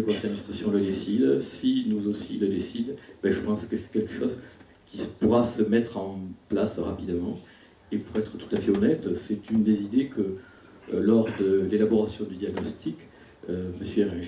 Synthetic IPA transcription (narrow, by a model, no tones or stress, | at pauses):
əkɔ̃sɛjd̪mĩst̪χasjɔ̃ləd̪esid̪sinuzosiləd̪esid̪bɛʒəpɑ̃skəsɛ̥kʲɛlkə̥ʃɔz | kʲipuʁasəmɛt̪χɑ̃plasʁapid̪mɑ̃ | epuʁɛt̪χət̪u̥t̪afɛɔnɛt̪sɛt̪ynd̪ezid̪ekʰə | lɔʁd̪əlelabɔʁasjɔ̃d̪yd̪jaɡnɔst̪ʰik | øməsjøeʁɛʒ